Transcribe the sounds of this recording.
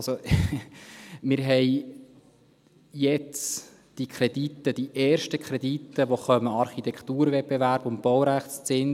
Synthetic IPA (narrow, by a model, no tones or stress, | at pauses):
ɑso | mɪɾɦɛɪ | jɛt͡s | d̥ikʰɾɛdit̪ːəd̥iʔɛːɾʃtəkʰɾɛd̪itːəʋoχœməɑɾχit̪ɛkʰt̪uːɾvɛt̚b̥evæɾb̥ʊntb̥ɔwɾæχst͡sɛn